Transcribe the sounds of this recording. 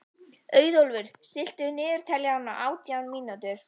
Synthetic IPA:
œːɥðolvʏɾ̥st̪ɪl̥t̪ʏnɪːðʏɾ̥t̪ʰɛlːjaanːaʔaːwt̪jawnmiːnat̪ʏɾ̥

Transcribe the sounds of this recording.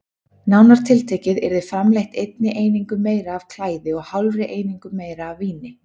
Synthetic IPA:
nawnaɾ̥t̪ʰɪlt̪ʰeːcɪðɛɾðɪfɾamlejht̪ejt̪̚nɪʔeːjniŋkʏmeːjɾaːv̥kʰl̥aːjðɪɔɣhawlrɪʔeːjniŋkʏmːeːjɾaːvːiːnɪ

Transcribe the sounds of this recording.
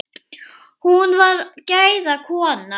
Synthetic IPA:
hunvaɾcaːjðakʰɔːna

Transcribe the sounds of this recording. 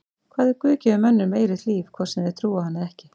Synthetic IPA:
kʰvaːðɪɾkʏːcɛʏmɛnːʏmeːjɾɪt̪liːvkʰvɔɾ̥sɛnðɪt̪ʰɾuːahanːaɛhcɪ

